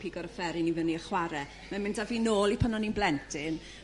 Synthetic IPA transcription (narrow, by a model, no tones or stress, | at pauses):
pʰiːɡɔɾəfɛɾɪnivəniəχwaɾɛ | mɛmɪntʰaviːnoːlˠipʰənɔninblɛntʰɪn